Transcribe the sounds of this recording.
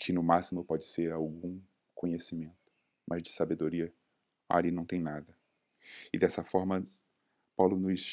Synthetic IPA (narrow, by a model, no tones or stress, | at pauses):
kʰɪnʊmasimʊpɔd͡ʒɪseɾawɡũ | kõɲesimẽnt̪ʊ̥ | mʔɐzd͡ʒɪsabed̪oɾiɐ | a̰ɾinɐ̃w̃t̪ẽj̃nad̪ɐ | ɪd̪ɛsɐfɔɾmɐ | pawlʊnʊi